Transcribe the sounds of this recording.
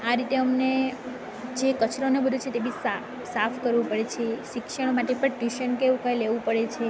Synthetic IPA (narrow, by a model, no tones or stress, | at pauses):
aɾit̪eəmne | d͡ʒekət͡ʃɾonebəd̪ʱut͡ʃʰet̪ebisa | safʰkəɾʋũpəɽet͡ʃʰeʃɪkʃəɽ̃omaʈepəɳʈjuʃənkeʋũkajleʋũpəɽet͡ʃʰe